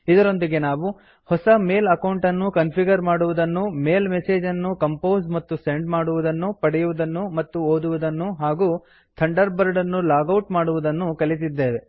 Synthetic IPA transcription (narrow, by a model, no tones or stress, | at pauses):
id̪ɐɾo̞nd̪iɡe̞naːʋu | hɔsɐme̞ːlɐkɐwɳʈɐnːukɐnpʰiɡɐɾmaːɽuʋud̪ɐnːumeːlmeseːd͡ʒɐnːukɐmpo̞ːzmɐt̪ːuseɳɖmaːɽuʋud̪ɐnːupɐɽɛjuʋud̪ɐnːumɐt̪ːuoːd̪uʋud̪ɐnːuɦaːɡuː | t̪ʰɐɳɖɐɾbɐɾɖɐnːulaːɡɐwʈmaːɽuʋud̪ɐnːukɐlit̪̬id̪ːe̞ːʋe̞